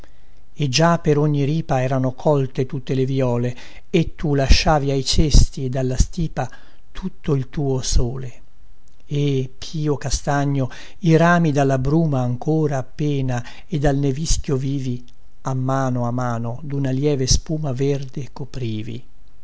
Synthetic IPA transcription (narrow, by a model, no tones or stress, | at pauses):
ed͡ʒapːeɾoɲːiɾiːpaɛːɾanokʰɔlt̪et̪ut̪ːelevjɔːle | et̪ːulaʃːaːviajt͡ʃest̪ied̪alːast̪iːpa | t̪ʰut̪ːoilt̪uːosoːle | epʰiːokast̪aɲːo | iɾaːmid̪alːabɾuːmaːŋkoːɾaːpːeːna | ed̪ːalneviskjoviːvi | amːaːnoamːaːnod̪unaljɛːvespuːmaverd̪ekopɾiːvḭ